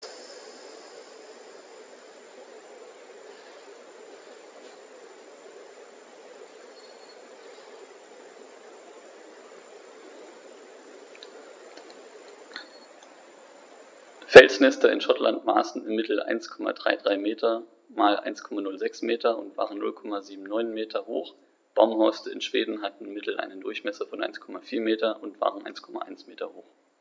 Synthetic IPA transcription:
fɛlsnɛstɐɪ̰nʃɔtlantma̰ːsn̩ɪmɪtl̩ʔa̰ɪnskʰɔma̰dʁaɪdʁaɪmeːtʰɐ | maːlʔa̰ɪnskʰɔmanʊlzɛksmeːtʰɐʊ̰ntv̥a̰ːʁənːʊ̰lkʰɔmaziːbm̩nɔʏnmeːtʰɐho̰ːχ | b̥aʊmhɔɪstəɪ̰nʃv̥eːdn̩ɦatn̩ɪmɪtl̩ʔa̰ɪnəndʊɐçmɛsɐfɔnʔa̰ɪnskʰɔmafiːɐmeːtɐʔʊntv̥a̰ːʁənʔa̰ɪnskʰɔma̰ʔa̰ɪnsmeːtɐhoːx

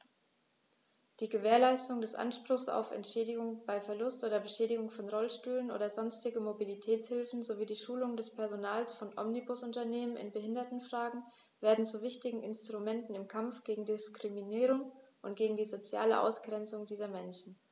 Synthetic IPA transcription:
d̥iːɡəveːɐlaɪstʊŋdɛsʔa̰nʃpʁ̥ʊxsa̰ʊfɛ̰ntʃɛːdɪɡʊŋb̥aɪfɛɐlʊstʔoːdɐbəʃɛːɾɪɡʊŋfɔnʁɔlʃtyːlənʔo̰ːdɐzɔnstɪɡmobilitʰɛːt͡shɪlfn̩zoviːdiːʃuːlʊŋdɛspʰɛɐzonaːlsfɔnʔɔ̰mnibʊsʊntɐneːmənɪ̰nbəhɪndɐtn̩fʁ̥aːɡŋ̩ | veːɐdn̩t͡suvɪçtɪɡŋ̩ʔɪnstʁ̥umɛntn̩ɪmkʰamfɡ̥eːɡŋ̩dɪskʁ̥iminiːʁʊŋʔʊntɡ̥eːɡŋ̩diːzot͡sja̰ːlə̰ʔa̰ʊsɡ̥ʁɛnt͡sʊŋdiːzɐmɛnʃn̩

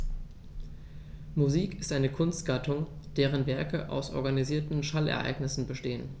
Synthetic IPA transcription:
muziːkɪstʔaɪnəkʰʊnstɡ̥atʰʊŋ | d̥eːʁənvɛɐkəʔa̰ʊsʔɔ̰ɐɡaniziːɐtn̩ʃalɛ̰ɐʔa̰ɪɡnɪsn̩bəʃteːən

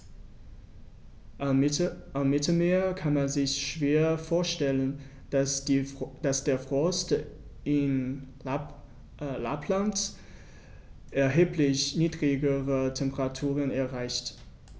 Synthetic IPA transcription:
amːɪtl̩meːɐkʰanmanzɪçʃv̥eːɐfoːɐʃtɛlən | d̥asd̥eːɐfʁ̥ɔstɪn | la̰pʰlant | ʔɛɐɦeːplɪçniːdʁɪɡəʁətʰɛmpəʁatʰuːʁənɛɐʁaɪçt

